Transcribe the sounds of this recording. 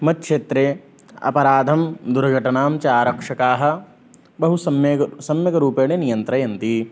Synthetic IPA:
mɐt̪̚kʃeːt̪ɾe | ɐ̰pɐɾaːd̪ʱɐmd̪uɾɡʱɐʈɐnaːmt͡ʃaːɾɐkʂɐkaːɦɐ̆ | bɐɦusɐmjsɐmjɐɡɐɾuːpeːnenijɐnt̪ɾɐjɐnt̪i

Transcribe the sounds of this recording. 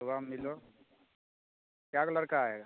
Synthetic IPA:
oɡamːilo | kjakləɾkaaɦeːɡa

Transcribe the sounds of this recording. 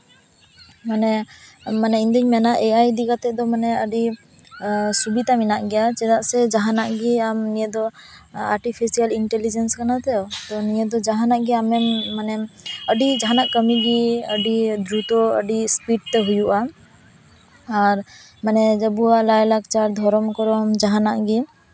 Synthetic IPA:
manɛmanɛind̪əɲmɛnaʔɛajd̪iɡat̪ɛd̪ɔmanɛəɖi | subid̪aminaʔɡɛjat͡ʃɛd̪aʔsɛd͡ʒaɦanaʔɡiamnijɛd̪ɔaɾʈipʰisialiɳʈɛlid͡ʒɛnskanat̪ɛɔt̪ɔnijɛd̪ɔd͡ʒaɦanaʔɡiamɛmːanɛəɖid͡ʒaɦanaʔkəmiɡiəɖid̪ɾut̪ɔə̰ɖispiʈt̪ɛɦujuʔa | ɾ | manɛd͡ʒəbuaʔlajlak̚t͡ʃaɾd̪ʱɔɾɔmkɔɾɔmd͡ʒaɦanaʔɡi

